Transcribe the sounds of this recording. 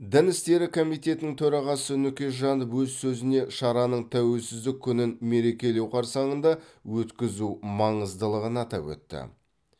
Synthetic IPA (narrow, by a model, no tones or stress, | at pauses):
d̪ɪnɪst̪e̞ɾɪkʰo̞mijt̪e̞t̪ɪnɪŋt̪ʰɵɾɑʁɑsənʏkʲe̞ʒɑnəpwɵzsɵzɪne̞ʃɑɾɑnəɴt̪ʰæwe̞lsɪzd̪ɪkʲʰːʏnɪnme̞ɾe̞kʲe̞le̞wqʰɑɾsɑɴənd̪ɑwɵt̪kʲɪzumɑɴəzd̪əlˠəʁənɑt̪ɑ̰pwɵ̰t̪ːɪ̰